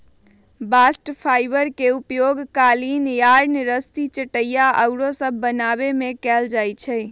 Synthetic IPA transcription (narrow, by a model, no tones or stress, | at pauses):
basʈpʰajbəɾkeupjoɡkalinjaɾnɾəst̪it͡ʃəʈəjaʔəʊɾosəbʱːənabemekɛld͡ʒajt͡ʃʰɛj